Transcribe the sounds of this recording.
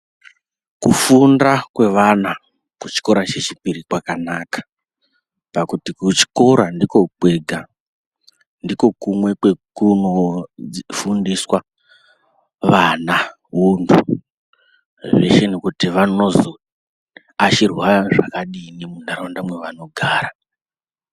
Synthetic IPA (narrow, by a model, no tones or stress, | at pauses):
kufundakwe̞ʋana | kut͡ʃi̥ko̞ɾat͡ʃe̞t͡ʃipiɾikwakanakḁ | pakutikut͡ʃi̥ko̞ɾandiko̞ɡ͡bwe̞ɡʱa | ndiko̞kumwe̞kwe̞kuno̞ | fundiswa | ʋana | ɦuntʰu | ʋe̞̰ʃe̞nekutiʋano̞zo | at͡ʃirwaʐakaɗinimundaɾondamwe̞ʋano̞ɡʱaːɾa